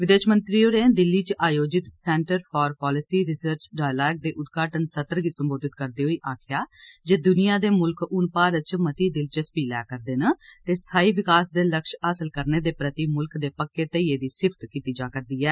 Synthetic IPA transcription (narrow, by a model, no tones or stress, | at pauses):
ʋɪd̪eːʃmənt̪ɾiːoːɾẽːd̪ɪlːiːt͡ʃaːjoːd͡ʒɪt̪sɛ̃ːɳʈəɾpʰɔːɾpɔːlɪsiːɾɪsəɾt͡ʃɖaːjlaːɡ̚d̪eːʔʊd̪ɡaːʈənsət̪ɾɡiːsəmboːd̪ɪt̪kəɾd̪eːɦoːiːʔaːkʰjaːd͡ʒeːd̪ʊnijãːd̪eːmʊlkʊnpaːɾət͡ʃmət̪iːd̪ɪlt͡ʃəspiːlɛ̰ːkəɾd̪eːnat̪eːst̪ʰaːiːʋɪkaːsd̪eːləkʃaːsəlkəɾneːd̪eːpɾət̪iːmʊlkd̪eːpəkːeːt̪əieːd̪iːsɪpʰt̪kiːt̪iːd͡ʒaːkəɾd̪iːɛː